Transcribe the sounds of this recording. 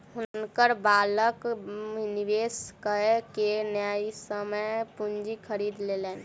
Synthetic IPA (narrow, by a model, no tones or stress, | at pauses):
ɦʊnnkəɾbaləkniʋeskəekenjaisəməpund͡ʒikʰəɾid̪lelɛn